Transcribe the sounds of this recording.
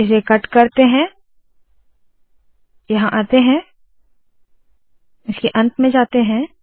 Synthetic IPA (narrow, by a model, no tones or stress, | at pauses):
ɪs̬ekɐʈkɐɾt̪eɦɛ̃ː | jɐɦãʔaːt̪eɦɛ̃ | ɪskeʔɐ̃nt̪mẽd͡ʒaːt̪eɦɛ̃ː